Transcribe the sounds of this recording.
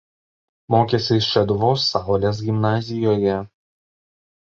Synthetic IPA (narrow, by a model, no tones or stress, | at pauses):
moːkʲesʲɪʃʲɛd̪ʋoːsːɑˑʊlʲeːs̬ɡʲɪmnɑːzʲɪjoːjɛ